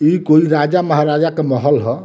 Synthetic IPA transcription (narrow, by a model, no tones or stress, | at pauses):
ikoiɾad͡ʒaməɦaɾad͡ʒakemɔɦəlɦɔ